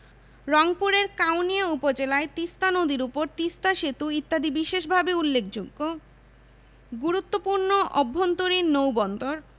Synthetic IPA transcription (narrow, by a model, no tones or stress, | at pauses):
ɾɔŋpuɾeɾkawnijaupod͡ʑelaet̪ist̪anod̪iɾupoɾt̪ist̪aʃet̪uit̪ːad̪ibiʃeʃbʱabeulːek̚d͡ʑoɡːo | ɡuɾut̪ːopuɾnoʔɔbʱːont̪oɾiɾnowbɔnt̪oɾ